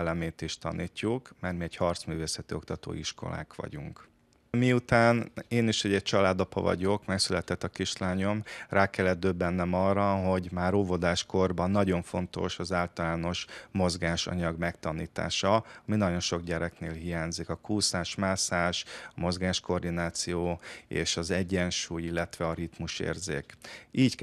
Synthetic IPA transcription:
lɛmeːt̪iʃt̪ɒ̰niːcːukmarmiɛchɒrt̪smyːveːsɛt̪io̞k̚t̪ɒt̪o̰ːiʃko̞̰la̰ːkʋɒ̰ɟuŋk | miut̪aːneːniʃɛɟːɛc̚t͡ʃɒlaːd̪ɒpɒ̰vɒ̰ɟo̞kmɛksylɛt̪ɛt̪ːɒkiʃlaːɲo̞mrʔaːkɛlːɛd̪̚d̪øbːɛnːɛmɒrːɒɦo̞ɟmaːɾoːvod̪aːʃko̞rbɒnːɒɟo̞ɱfo̞nt̪o̞̰ʃɒzaːlt̪ɒlaːno̞ʃmo̞zɡaːʃɒ̰ɲɒɡmɛkt̪ɒniːt̪a̰ːʃɒɒminɒɟo̞nʃo̞ɡɟɛɾɛknḛːlɦijaːɲzikɒkuːsaːʃmaːsaːʃɒmo̞zɡaːʃko̞rd̪inaːt̪sijoːḛːʃɒzɛɟːɛnʃuːjilːɛt̪ʋɛɒɾit̪muʃḛːrzḛːkiːck

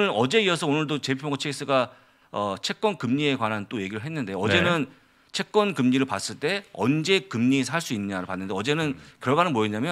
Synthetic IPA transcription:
ɯɾʌd͡ʑe̞iʌsʰʌonɯɭdot͡ɕe̞pʰpʰjoŋɡot͡ɕʰeis͈ɯɡa | ʌt͡ɕʰe̞k͈̚wʌnkɯmɲie̞kwanant͈oje̞ɡiɾɯɭɦe̞nːɯnde̞joʌd͡ʑe̞nɯn | t͡ɕʰe̞k̚k͈wʌnkɯmɲiɾɯɭpas͈ɯɭt͈e̞ʌnd͡ʑe̞kɯmɲis̬ʰaɭs͈uinːɲaɾopanːɯndeʌd͡ʑe̞nɯnkjʌɭɡanɯnmoeɲamjʌ

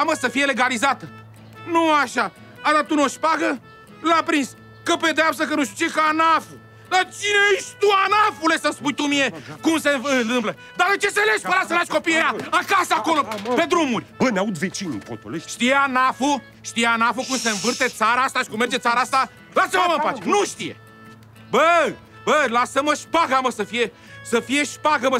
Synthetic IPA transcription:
aməsəfije̞le̞ɡalizat̪ə | nuaʃa | at̪at̪unuoʃpaɡə | lapɾins | kəpe̞d̪eapst̪əkənuʃ̬t̪u̥t͡ʃeekaanafu | d̪at͡ʃineeʃt̪uanafulesəspujt̪umie̞kumseɨnt̪ɨmplə | d̪alɐ̃t͡ʃ̪iɐsɐleʃpɐɾasɐ̃laʃkopiɐaɐkasakolɐped̪ɾũmuɾbɐnɐ̃ud̪vet͡ʃiɲṵkõ̰t̪o̰leʃt̪ianafu | ʃt̪ianafukũsɐ̃vɨɾt̪ɛd̪saɾaʃt̪aʃkumeɾzɐd̪saɾaʃt̪a | lasɐmɐmɐ̃paʃnũʃt̪iɐ̰ | bɐ | bɐlasɐmɐʃpaɣamɐsɐfiɐ | sɐfiɐʃpaɣɐmɐ

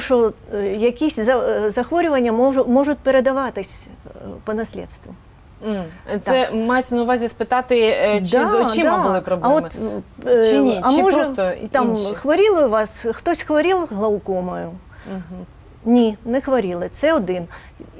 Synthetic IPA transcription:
ʂɔjɐkʲisʲzɐzɐxʋɔɾʲʊvɐnʲːɐmɔʐʊmɔʐʊt̪̚ʲpʲɛɾɛd̪aʋat̪ɪsʲpɐnɐsʲlʲɛ̰t̪st̪vʋʊ | t̪sɛmajɪt͡sʲnɐʊʋazʲispɨt̪at̪ɪt͡ʃd̪ɔid̪aʊlˠɪpɾɔbɐvɔm | iɐmɔʐstt̪amxvɐɾʲilˠɐuvasxt̪ɔsʲxvɐɾʲilˠɣlˠɐwkɔmɐjʊ | nʲinɛxvɐɾʲilˠɨt̪sɛɔd̪ɨn

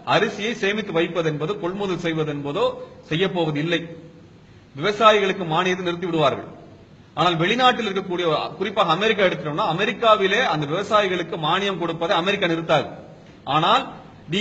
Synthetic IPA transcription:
ɐɾɯsɪjɐɪseːmɪt̪ːɯʋɐɪpːɐðɛnbɐðoːkɔɭmʊðɐlsɛjʋɐðɯɛnbɐðoːsɛjːɐpːoːʋɐðɯɪlːɐɪ | ʋɪʋɐsaːjɪɣɐɭɯkːɯmaːnɪjɐt̪̬ːɯnɪɾɯt̪ːɯʋɪɽɯʋaːɾɣɐ̰ɭ | aːnaːlʋɛɭɪnaːʈːɪlɪɾɯkːɐkːuːɽɪjɐ̰kʊrɪpːaːɣɐːmɛɾɪk̬ːaːɛɽɯt̪ːɪɾɐmnːaːɐmɛɾɪkːaːʋɪleːɐnd̪ɐʋɪʋɐsaːjɪɣɐɭɯkːɯmaːnɪjɐmkɔɽɯpːɐðɐɪɐmɛɾɪkːaːnɪɾɯt̪ːaːɾɣɐɭ | aːnaːl | ɖi

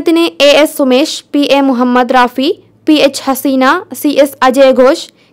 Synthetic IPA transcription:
t̪ɪnẽeːesːʊmeːʃpiːʔeːmʊɦəmːəd̪ɾaːfi | piːeːt͡ɕhɐsiːnasiːʔesɐd͡ʑeːɡʱoːʃ

